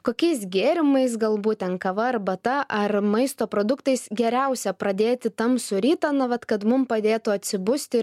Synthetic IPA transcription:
koːkʲɛɪsɡʲeːɾʲɪmɐɪsɡɐlˠbuːt̪̚ʲt̪ʲɛnkɐʋɐɐɾbɐt̪ɐʔɐrmɐɪst̪oːpɾoːd̪ʊkt̪ɐɪsɡʲɛɾʲɛʊsʲɛpɾɐd̪ʲeːt̪ʲɪt̪ɐmsʊɾʲiːt̪ɐnɐʋɐt̪kɐt̪mʊmpɐd̪ʲeːt̪ʊɐt̪ʲsʲɪbʊsʲt̪ʲɪ

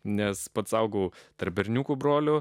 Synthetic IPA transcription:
nʲɛspɐt̪sɐʊɡɐʊt̪ɐrp̚bʲɛɾʲnʲuːkuːbɾoːlʲʊ

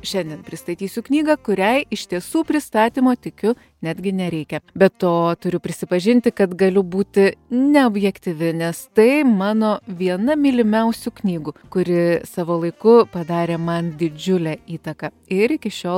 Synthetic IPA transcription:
ʃʲɛnʲd̪ʲiɛnpʲɾʲɪst̪ɐt̪ʲiːsʲʊknʲiːɡɑkʊɾʲɛɪɪʃʲt̪ʲiɛsuːpʲɾʲɪst̪ɑːt̪ʲiːmoːt̪ʲɪkʲʊ | nʲæːd̪ʲɡʲɪnʲɛɾʲɛɪkʲɛbʲɛtt̪oːt̪ʊɾʲʊpʲɾʲɪsʲɪpɐʒʲɪnʲt̪ʲɪkɐt̪ɡɐlʲʊbuːt̪ʲɪnʲɛobʲjɛkt̪ʲɪʋʲɪnʲɛst̪ɐɪmɑːnoːʋʲiɛnɐmʲɪlʲɪmʲɛʊsʲuknʲiːɡʊkʊɾʲɪsɑːʋoːlˠɐɪkʊpɐd̪ɑːɾʲeːmɐnd̪ʲɪd͡ʒʲʊlʲɛiːt̪ɐkɑ | ɪɾɪkʲɪʃʲoːlˠ

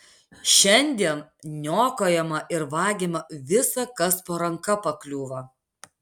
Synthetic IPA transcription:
ʃʲɛnʲˑd̪ʲiɛn | nʲoːkoːjɛmɐʔɪɾʋɑːɡʲimɐʋʲɪsɐkɐspoːɾɐŋkɐpɐklʲuːʋɐ

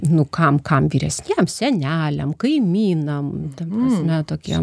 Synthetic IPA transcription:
nʊkɐmkɐmʋʲiːɾʲɛsʲnʲiɛmsʲɛnʲæːlʲɛmkɐɪmʲiːnɐmt̪ɐmpɾɐsʲmʲɛt̪oːkʲiɛ

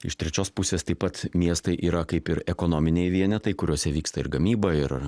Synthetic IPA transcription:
ɪ̰ʃt̪ʲɾʲɛt͡ʃʲoːspʊsʲeːst̪ɐɪpɐt̪mʲiɛst̪ɐɪʔiːɾɐkɐɪpɪɾɛkoːnoːmʲɪnʲejʋʲiɛnʲɛt̪ɐɪkʊɾʲuɔsʲɛʋʲiːkst̪ɐɪɾɡɐmʲiːbɐɪɾ

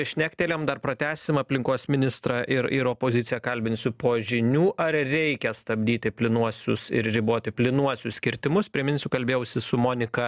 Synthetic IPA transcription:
ʃʲnʲæːkʲt̪ʲeːlʲɛmd̪ɐrpɾɐt̪ʲæːsʲɪmɐpʲlʲɪŋkoːsmʲɪnʲɪst̪ɾɐʔɪɾɪɾoːpoːzʲɪtsʲɪjɛkɐlʲbʲɪnʲsʲʊpoːʒʲɪnʲuːʔɐrɾʲɛɪkʲɛst̪ɐbʲd̪ʲiːt̪ʲɪpʲlʲɪnuɔsʲʊsɪ̰ɾɾʲiboːt̪ʲɪpʲlʲɪnuɔsʲʊsskʲɪɾʲt̪ʲɪmʊspʲɾʲiɛmʲɪnʲsʲʊːkɐlʲbʲeːjɛʊsʲɪsʊmoːnʲɪkɐ

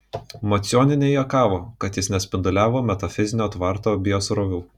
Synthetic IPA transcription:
mɐt̪sʲjoːnʲɪnʲejɛkɑːʋoːkɐt̪jɪsnʲɛsʲpʲɪnd̪ʊlʲæːʋoːmʲɛt̪ɐfʲɪzʲɪnʲoːt̪ʋɐɾt̪oːbʲɪjosɾoːʋʲuː

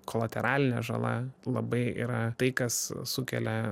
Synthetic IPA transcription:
koːlˠɐt̪ʲɛɾʔɑːlʲɪnʲɛʒɐ̰lˠɐ̰lˠɐbɐɪḭːɾɐt̪ɐɪkɐssʊkʲɛ̰lʲɛ

